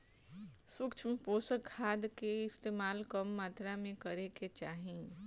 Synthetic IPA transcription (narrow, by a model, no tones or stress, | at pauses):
sʊkt͡ʃʰmpoːsəkʰːaːd̪keɪst̪eːmaːlkɐmːaːt̪ɾamẽkɐɾeket͡ʃaːɦĩ